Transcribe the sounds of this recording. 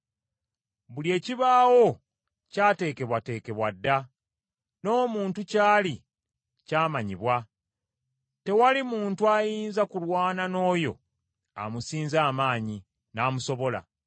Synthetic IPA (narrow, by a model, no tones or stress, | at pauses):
βulie̞ːciβaːwo̞ | caːte̞ːke̞βwate̞ːke̞βwadːa | no̞ːmuːntucaːli | caːmaɲiβwa | te̞walimuːntuajiːnzakulwaːnano̞ːjo̞̰ | a̰musiːnzaːmaːɲi | naːmuso̞βo̞la̰